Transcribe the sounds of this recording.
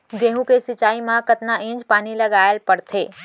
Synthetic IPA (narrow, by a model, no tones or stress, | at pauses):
ɡeɦũkesɪt͡ʃaːimãkət̪naɪ̃d͡ʒpaːniləɡaelpəɽt̪ʰeː